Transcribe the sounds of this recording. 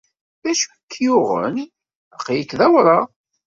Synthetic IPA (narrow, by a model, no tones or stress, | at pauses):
ðæʃukːjʊʁə̰n | əqːjəkːðæwɾˤɑ